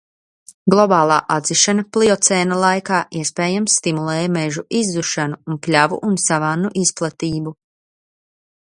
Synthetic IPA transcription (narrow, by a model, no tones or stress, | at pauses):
ɡlˠɔbaːlˠaːʔad̪ziʃanaplˠiɔt̪sɛːnalˠajkaːʔiɛspɛːjamsːt̪imulˠɛːjmɛʒuʔizːuʃanuːnplʲavṵʔunsavanːuʔisplˠat̪iːbu